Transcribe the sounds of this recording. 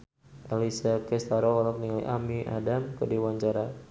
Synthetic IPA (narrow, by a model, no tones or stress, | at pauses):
ʔalisakɛst̪aɾɔɔlɔk̚niŋliʔamiʔa̰damkədiwaɲt͡ʃaɾa